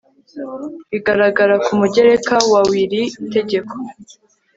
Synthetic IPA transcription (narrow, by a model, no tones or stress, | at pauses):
iɡaɾaɡaɾakumuɟe̞ɾe̞kawawiɾite̞ɟe̞kʰo̥